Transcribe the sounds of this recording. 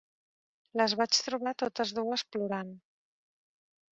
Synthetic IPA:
ləzβat͡ʃt̪ɾuβat̪ot̪əzðuəspluɾan

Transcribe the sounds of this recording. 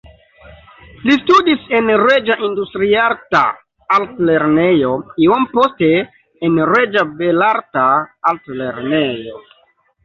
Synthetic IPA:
listudisenɾed͡ʒaʔindustɾiaɾta̰ | altle̞ɾne̞jo̞iomposte̞ː | nɾed͡ʒabelaɾtaaltleɾnejo̞̰

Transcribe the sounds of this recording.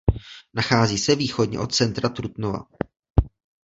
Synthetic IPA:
naxaːziːsɛviːxodɲɛ̰ʔo̞t̪̚t͡sɛnt̪ɾat̪ɾut̪nova̰

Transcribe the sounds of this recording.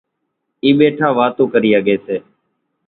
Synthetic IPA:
iːɓeːʈʰãːʋaːt̪õːkəɾiːaɠeːseː

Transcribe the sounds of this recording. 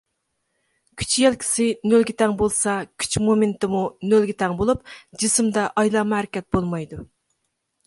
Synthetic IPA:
kʲʰy̥t͡ʃʰjælkʲʰi̥sɪnølɡʲit̪ʰɛŋbolˠsɑkʲʰy̥t͡ʃmoment̪ɨmunølɡʲit̪ʰɛŋbolˠupd͡ʒisɨmd̪ɑʔɑjlˠɑmhæɾɪkʲɛt̪̚bolˠmɑjd̪u

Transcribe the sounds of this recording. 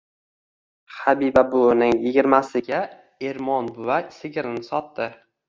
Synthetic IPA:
habibabʊnɪŋjɪɡʲɪɾmasɪɡʲa | e̞ɾmɒnbʊvasɪɡʲɪɾɪnɪsɒt̪ːɪ

